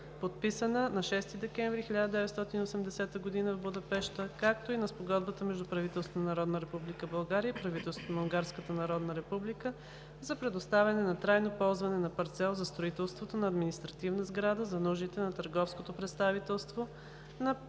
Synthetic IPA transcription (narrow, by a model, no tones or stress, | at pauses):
pot̪̚pisənənɐʃɛst̪id̪ɛkɛ̃ɱvɾixilʎʲad̪əd̪ɛvɛt̪st̪ɔt̪iniosɛmd̪ɛsɛt̪əɡod̪inəvbud̪ɐpɛʃt̪əkakt̪oinɐspoɡɔd̪bət̪əmɛʒd̪upɾɐvit̪ɛlst̪onnɐɾɔd̪nəɾɛpublikəbɐlˠɡaɾijəpɾɐvit̪ɛlˠsvot̪onɐuŋɡaɾskət̪ənɐɾɔd̪nəɾɛpublikə | zɐpɾɛd̪ost̪avʲɛnɛnɐt̪ɾajnopɔlˠzvɐnɛnɐpɐɾt̪sɛlˠzɐst̪ɾoit̪ɛlˠst̪vot̪onɐːd̪minist̪ɾɐt̪ivnəzɡɾad̪əzɐnuʒit̪ɛnɐt̪əɾɡɔfskot̪opɾɛt̪st̪avit̪ɛlˠst̪vo | nɐ